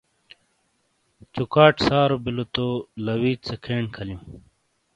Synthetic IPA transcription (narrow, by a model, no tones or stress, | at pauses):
t͡ɕukaːʈsaːɾobilot̪olɐwiːtsekʰeːɳkʰɐljũː